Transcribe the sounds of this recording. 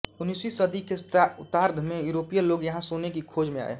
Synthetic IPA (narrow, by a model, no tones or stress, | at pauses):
ʊnːiːswisəd̪ikeʊt̪aːɾd̪ʱmẽjuːɾoːpijəloːɡjɐɦãsonekikʰoːd͡ʒmẽa̰ːḛ